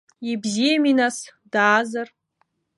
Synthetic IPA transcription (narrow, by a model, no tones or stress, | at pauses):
ibzijaminasd̥aːzar